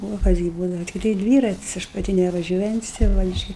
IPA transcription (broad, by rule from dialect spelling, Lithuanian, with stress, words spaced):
oː ˈkɐs ɡʲɪ ˈbuːdɐʋɐ tʲɪkˈtɐɪ ˈdʲʋʲiːrɐtʲɪs ˈɐʃ pɐˈtʲɪ nʲɛʋɐˈʒʲuɔjɛnʲtʲɪs tɐɪ ˈʋɐ ɪʃ ˈt͡ʃʲɛ